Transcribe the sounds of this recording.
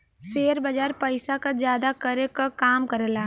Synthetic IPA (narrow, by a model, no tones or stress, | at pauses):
seːɾbɐd͡ʒaːɾpəɪsakad͡ʒjaːd̪akɐɾekakaːmkɐɾelaː